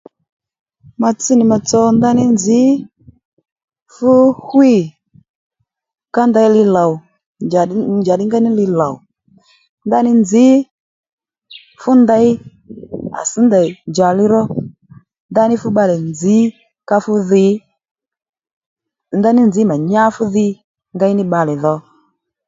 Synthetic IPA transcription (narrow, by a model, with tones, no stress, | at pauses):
ma˧t͡si˦nɪ˨ma˧t͡sɔ˧nda˦nɪ˦nd͡zɪ˨˦ | fʊ˦hwi˦˨ | ka˦nda˧˦jlɪ˧la˨w | d͡ʒd͡ʒa˨ɗɪ˦ŋɡa˦nɪ˦lɪ˧la˨w | nda˦nɪ˦nd͡zɪ˨˦ | fʊ˦nda˧j | a̰˨si˨˦nda˨d͡ʒa˨lɪ˦ɾɔ˦ | nda˦nɪ˦fʊ˦ɓa˧lɛ˨nd͡zɪ˨˦ | ka˧fʊ˦ðɪ˧˦ | nda˦nɪ˦nd͡zɪ˨˦ma˨ɲa˦fu˦ðɪ˧˦ | ŋɡa˦i˦nɪ˦ɓa˧lɛ˨ðɔ˧